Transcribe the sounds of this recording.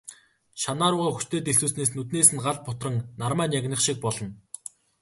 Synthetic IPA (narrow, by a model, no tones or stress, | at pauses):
ʃanaːɾʊːʁaːxu̥t͡ɕt̪eːt̪eɬsuːsneːs̬nut̪neːsɘ̆nɢaɮ̚pʊt̪rə̆ŋnarmæːnjaɣʲnə̆χʃik̚pɔɮɞ̆n